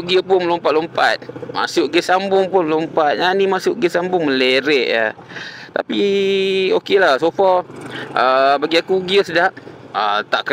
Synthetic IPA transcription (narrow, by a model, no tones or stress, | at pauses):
ʔɡəpʊnlompat̚lompat̪̚ma̰sʊʔɡəsambʊŋpʊnlompat̪̚ɲanimasʊʔɡəsambʊŋməleɾɛʔə̰ | t̪a̰pi | okelahsofɔəbaɡiakuɡiəsədaʔət̪aʔkə